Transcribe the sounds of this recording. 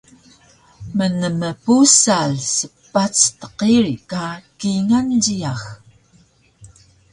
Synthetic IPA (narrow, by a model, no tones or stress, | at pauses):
mənəməpusaɮsəpːat͡stə̥qiɾikakiŋanɟiax